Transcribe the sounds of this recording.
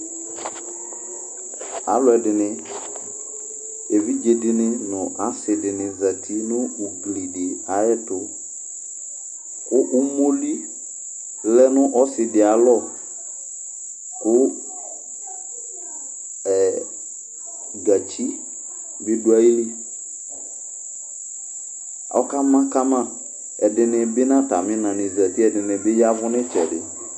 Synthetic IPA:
a̰˨˦lʊ˨˦ɛ˨dɪ˨nɪ˦ | e˨vi˦d͡ʒe˨dɪ˨nɪ˦nʊ̃˨ʔa˦sɪ˨dɪ˨nɪ˨za˨tʰi˦nʊ˦u˨ɡli˨dɪ˨a˦jɛ˦tʊ˨ | kʊ˦ʔʊ˦mo˦li˦ | lɛ˦nʊ˦ʔɔ˦sɪ˨dɪ˨a˨˦lɔ˦˨ | kʊ˦ | ɛ˨ | ɡa˨t͡ʃi˦ | bɪ˦du˨˦a˦ji˦li˦ | ɔ̰˦ka˦mã˦ka˦mã˦˨ | ɛ˨dɪ˨nɪ˨bɪ˦nã˦ta˨mɪ̃˦nã˨nɪ˨za˨ti˦ɛ˨dɪ˨nɪ˨bɪ˦ja˦vʊ˦nɪ̃˦t͡ʃɛ˨dɪ̰˨

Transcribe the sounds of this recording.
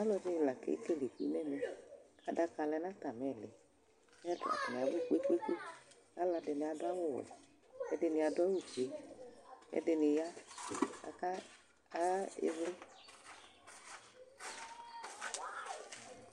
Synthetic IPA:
a˦lɔ˧di˧˦˧la˨kḛ˨˦i˦ke˦˨le˨kḭ˨˦nɛ˦˨me˧kʰa˨˧˦da˧ka˧lɛ˧na˦ta˨mɛ˨lḛ˨˦ | a˦dʊ̰˨a̰˨nɪ˨a˨bu˦˨k͡pe˦k͡pe˦k͡pe˦ | a˨˦la˧dɪ˧nɪ˧a˧dʊ˦a˦wʊ˦˨wɛ̰˨ | ɛ̰˧˦dɪ˧nɪ˧a˧dɔ˦wu˦˨t͡ʃe˨ | ɛ̰˧˦dɪ˧nɪ˧ja˦ka̰˧ka˦˨ | ɣa˦ɪ̰˧vlɪ˦

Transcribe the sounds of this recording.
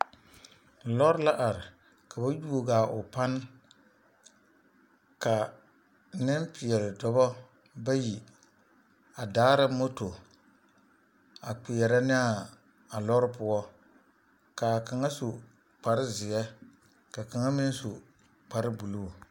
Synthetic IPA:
lɔ˦ɾɪ˦la˦ʔa˨ɾɪ˨ | ka˨ba˦ju˦o˦ɡaː˨ʔʊ˨pa˦n˦ | ka˨ | nɪ˦mpɪ˨ɛ˨ɾɪ˨dɔ˦bɔ˦ | ba˦ji˨ | a˨daː˦ɾɪ˦mo˦to˨ | a˨k͡pɪ˨jɛ˨ɾa˦nɪ˦a˨ | a˨lɔ˦ɾɪ˦pʊ˦ɔ˦ | ka˨ka˨ŋa˦so˨ | k͡pa˨ɾɪ˦zɪ˨ɛ˦ | ka˨ka˨ŋa˦mɪ˦n˦so˨ | k͡pa˨ɾɪ˦bu˨lu˦˨

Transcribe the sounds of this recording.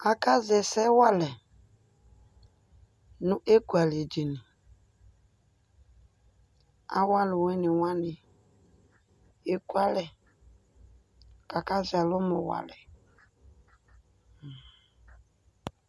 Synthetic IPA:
a˨ka˦zɛ˨sɛ˦wa˦lɛ˨ | nʊ̃˦ʔe˦ku˨a˨le˨d͡ʒe˨nɪ˨ | a̰˦wa˦lʊ˨wɛ˦nɪ˨wã˦nɪ˨ | e˦ku˦a˦lɛ˨ | ka˨ka˦zɛ˨lʊ˦mʊ˨wa̰˨lɛ˨

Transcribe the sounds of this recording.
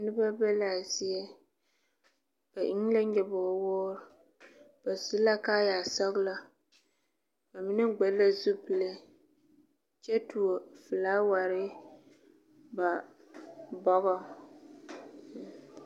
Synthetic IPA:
nɨ˦ba˦bɛ˦la˨zi˦ɛ˦ | b̥a˨ʔi˦ŋ˦la˦ɲ̩˦ɛ˨bɔ˨ɔ˨woː˦ɾ | b̥a˨zu˦la˦kaː˦jaː˨sɔ˦ɡla˦ | ba˨mɪ˦nɨ˦ɡ͡bɛ˨˦la˦zu˦pɨ˨le˦ | t͡ʃɛ˦tu˨o˨fɨ˨laː˦wa˨ɾɪ˦ | ba˨ | bɔ˦ɣɔ˦˨

